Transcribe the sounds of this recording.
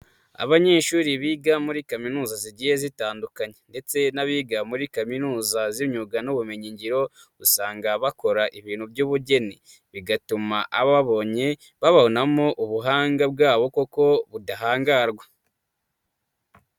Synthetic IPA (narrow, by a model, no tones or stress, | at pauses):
a̰βaɲe̞ːʃuːɾiβiːɡamuɾikaminuːzaziɟije̞zitaːndukaɲe̞nde̞t͡se̞naβiɡamuɾikaminuːzaziɲuɡanuβume̞ɲiɲɟiɾo̞ | usaːŋɡaβako̞ɾaʔiβiːn̥hubɟuːβuɟe̞ni | βiɡatumaʔaβaβaβo̞ɲe̞ | βaβahonamo̞ʔuβuɦaːŋɡab̚ɡaːβo̞ko̞ko̞βudaɦaːŋɡaɾɡwa